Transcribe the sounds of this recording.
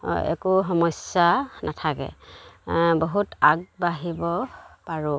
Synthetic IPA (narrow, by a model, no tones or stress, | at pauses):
ɛ̰kuɦɔmɔsanatʰakɛ̰ | boɦutaɡ̚baɦibɔpaɹu